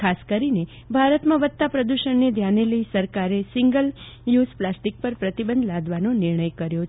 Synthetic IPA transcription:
kʰaskəɾine | bʱaɾət̪mãʋət̪ːapɾəd̪uʃəɳned̪ʱjaneləisəɾkaɾesɪŋɡəl | jusplasʈik̚pəɾpɾət̪ibənd̪ʱlad̪ʋanonɪɾɳəjkəɾjo

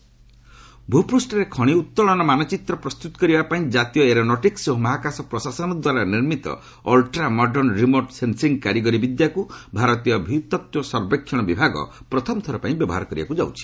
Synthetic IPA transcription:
bʱupɾusʈɔɾekʰɔɽ̃iut̪ːɔɭɔnɔmanɔt͡ʃit̪ɾɔpɾɔst̪ut̪ɔ̥kɔɾibapaĩd͡ʒat̪ijɔeɾonɔʈiksomɔɦakasɔpɾɔsasɔnɔd̪waɾaniɾmit̪ɔ̰ | ɔlʈɾamɔɖɔnɾimoɾʈsensiŋɡkaɾiɡɔɾibid̪jakubʱaɾɔt̪ijɔbʱit̪ːɔt̪wɔsɔɾbekʰːjɔɽ̃ɔbibʱaɡɔ̰ | pɾɔt̪ʰɔmɔt̪ʰɔɾɔpãĩbjɔbɔ̰ɦa̰ɾɔkɔɾḭba̰kud͡ʒawt͡ʃʰi̥

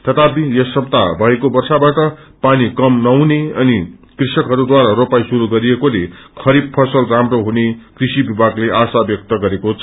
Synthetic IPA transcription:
t̪ʌt̪abijʌsʌb̚t̪a̰bʱʌekobʌrsabaʈʌpanikʌmnʌwneʌnikrisʌkɦʌɾud̪waɾaɾopajsuɾuɡʌɾiekolekʰʌɾib̚pʰʌsʌlramroɦunekrisibibʱaɡleʔasabjʌk̚t̪ʌɡʌɾekot͡sʰʌ

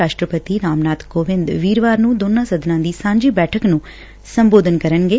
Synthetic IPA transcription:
aːʃʈɾəpət̪iːɾaːmnaːt̪koːʋɪ̃nd̪ʋiːɾʋaːɾnũːd̪oːnːãːsəd̪nãːd̪iːsãːɲd͡ʒiːbɛːʈʰəknũː | səmboːd̪ʱənkəɾənɡeː

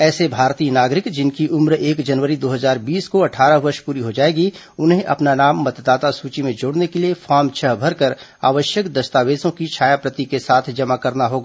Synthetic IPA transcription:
ɛːsebʱaːɾt̪iːnaːɡɾɪkd͡ʒɪnkiʔʊmɾeːkd͡ʒɐnʋəɾid̪oːɦəzaːɾbiːskoɐʈʰaːɾəɦʋɐɾʃpuːɾiɦod͡ʒaːeːɡi | ʊnɦẽʔɐ̰pnanaːmːɐt̪d̪aːt̪asuːt͡ʃimẽd͡ʒoːɽnekeliefʰaːɾmt͡ʃʰəɦbʱɐɾkəɾa̰ːʋəʃjəkd̪ɐst̪aːʋeːsõkit͡ʃʰaːjapɾət̪ikesaːt̪ʰd͡ʒɐmakɐɾnaɦoːɡaː

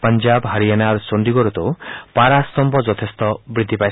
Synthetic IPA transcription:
pɔnd͡ʒabɦaɾianaɾsond̪iɡɔɾɔt̪ɔpaɾast̪ɔmbɔd͡ʒɔt̪ʰest̪ɔbɾid̪ʱːipaj

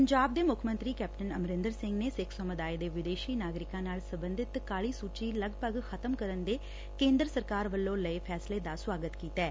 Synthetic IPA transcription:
pəɲd͡ʒaːb̚d̪eːmʊkʰmə̃nt̪ɾiːkɛːp̚ʈənəmɾɪ̃nd̪əɾsɪ̃ŋɡneːsɪkʰsoːməd̪aːed̪eːʋɪd̪eːʃiːnaːɡɾɪkãːnaːlsəmbənd̪ɪt̪kaːɭiːsuːt͡ʃiːləɡpəɡxʰət̪əmkəɾənd̪eː | kẽːnd̪ɾəsəɾkaːɾʋəlːõːləiːpʰɛːsleːd̪aːswaːɡət̪kiːt̪ɛː

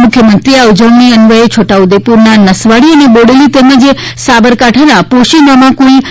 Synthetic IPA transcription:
mʊkʰjəmənt̪ɾiaud͡ʒəʋniənʋəɦet͡ʃʰoʈaud̪epuɾnanəsʋaɽiəneboɽelit̪ɛməd͡ʒ | sabəɾkaʈʰanapoʃinamãkoi

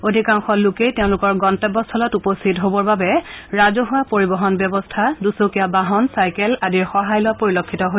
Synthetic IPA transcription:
odʱikaŋxɔlʊkejtɛʊ̃lʊkɔɹɡɔntɛbɔstʰɔlɔtupostʰitɦobɔɹbabɛɹazɔɦʊwapoɹibɔɦɔnbjɔbɔstʰadusokijabaɦɔnsajkɛladiɹxɔɦajlʊwapoɹilokʰːitɔɦo

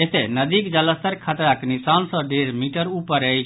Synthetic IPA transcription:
et̪enəd̪ikd͡ʒələst̪əɾkʰat̪ɾaknisansə̃ɖeɾmiʈəɾupːəɾəj

